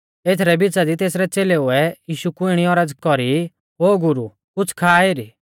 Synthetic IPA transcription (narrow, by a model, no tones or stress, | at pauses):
eːt̪ʰɾɛbɪt͡sad̪it̪eːsɾɛt͡seːlɛʊɛjiːʃukuɪɽ̃iɔɾɐd͡zkɔɾi | ɦoːɡʊɾu | kʊt͡sʰkʰaːeːɾi